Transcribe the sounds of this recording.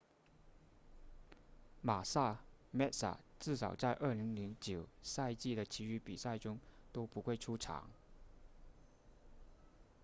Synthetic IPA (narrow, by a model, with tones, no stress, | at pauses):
ma˨˩sa˥˩mɛ˥˩tsa̰˨˩ʈ͡ʂɻ̩˥˩sɑ˨˩ʊt͡sa˥˧ɪʔə˞˥˩li˧˥ŋli˧˥ŋt͡ɕjo˨˩ʊsa˥˧ɪt͡ɕi˥˩d̪ə˩t͡ɕʰi˧˥y˧˥pi˨˩sa˥˩ɪʈ͡ʂʊ˥ŋt̪o˥ʊpu˧˥xwe˥˩ɪʈ͡ʂʰu˥ʈ͡ʂʰɑ̰˧˥ŋ